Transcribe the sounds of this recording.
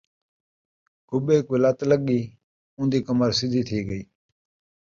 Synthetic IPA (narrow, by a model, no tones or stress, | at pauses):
kʊbeːkelat̪ləɡiː | ʊ̃ːnd̪iːkəməɾsɪd̪ʱiːt̪ʰiːɡəiː